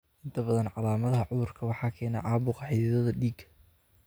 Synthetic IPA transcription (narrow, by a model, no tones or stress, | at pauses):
ʔɪnt̪ʰɐbɐðɐnʕɑlaːmɐðɐɦɐʕʊðʊrkʰɐwɑħɑːkʰɛːnɛ̰ʕɑːbʊqʰɐħɪðɪðɐðɐɖiːɡɐ